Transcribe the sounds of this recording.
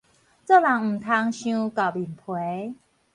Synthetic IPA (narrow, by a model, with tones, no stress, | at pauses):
t͡so˥˧˨la˨˦ŋm̩˨˩t̪ʰa˧˥ŋɕjũ˦ka˨˩li˨˩npʰwe˨˦